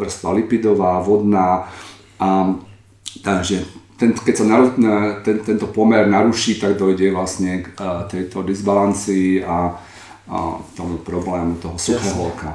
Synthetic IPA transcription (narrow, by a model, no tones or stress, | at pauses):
r̩st̪ʋalipid̪ɔʋaːʋɔd̪naː | ʔa | t̪aɡʒɛt̪ɛnkɛcsanaut̪ɛnt̪ɛnt̪ɔpɔmɛɾnaɾuʃiːt̪aɡd̪ɔjɟɛʋlasɲɛkt̪ɛjt̪ɔd̪izbalant͡siːa | t̪ɔmupɾɔblɛːmut̪ɔɦɔsuxɛɦɔlka